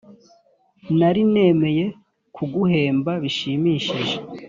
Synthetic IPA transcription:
naɾine̞me̞je̞ | kʰuɡuhe̞ːmbaβiʃiːmiːʃiʒe

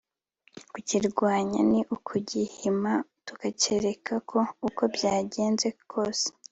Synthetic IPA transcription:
kuciɾɡwaːɲa̰niʔukʰuɟihimatukace̞ɾe̞kʰakʰo̞uko̞bjaːɟe̞ːnze̞kʰo̞ːse̥

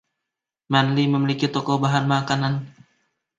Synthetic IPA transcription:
manliməmilikit̪ɔkɔbaɦanmakanan

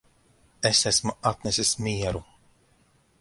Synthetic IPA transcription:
esæsmuat̪nɛsismʲiɛɾu

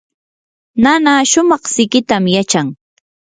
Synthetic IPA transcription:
nanaːʃʊmɑχsɪkɪt̪amjat͡ʃaŋ

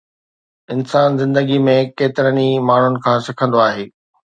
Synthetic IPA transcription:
ɪnsaːnzɪ̃nd̪əɡimẽkeːt̪ɪɾənimaːɳ̤ʊnɪ̆kʰãːsɪkʰə̃nd̪oaːɦeː

